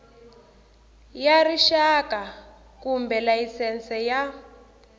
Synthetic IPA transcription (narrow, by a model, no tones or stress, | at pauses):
jariʃaka | kumbɛlajisɛnt͡sʼɛja